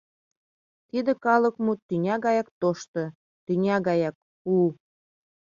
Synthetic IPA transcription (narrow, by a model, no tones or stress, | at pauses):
t̪id̪ĕkɑlə̆kmut̪ynʲɑɣɑjɑk̚t̪oʃt̪ɤ̆ | t̪ynʲɑɣɑjɑk̚ | u